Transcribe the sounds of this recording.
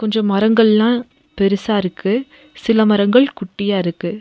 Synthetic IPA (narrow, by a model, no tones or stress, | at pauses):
kɔɲd͡ʒɔ̃mɐɾɐŋɡɐɭlãː | pɛɾɯsaːɪɾɯkːɯ | sɪlɐmɐɾɐŋɡɐɭkʊʈːɪjaːɪɾɯkːɯ